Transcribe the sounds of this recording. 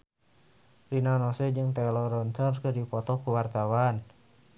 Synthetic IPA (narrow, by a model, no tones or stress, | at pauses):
rinanɔsɛd͡ʒɨŋt̪ɛlɔɾɔnt̪ɔnkɨrdipɔt̪ɔkuwart̪awan